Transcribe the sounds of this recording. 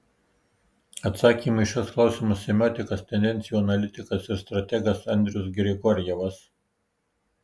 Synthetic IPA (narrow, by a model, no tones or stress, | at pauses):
ɐt̪sɑːkʲiːmɐɪʃʲɔsklˠɑˑʊsʲɪmɐsːʲɛmʲoːt̪ʲɪkɐst̪ʲɛnd̪ʲɛnʲt̪sʲɪjuɐnɐlʲɪt̪ʲɪkɐsɪɾst̪ɾɐt̪ʲɛɡɐsɐnʲd̪ʲɾʲʊsɡʲɾʲɪɡɔɾʲjɛʋɐs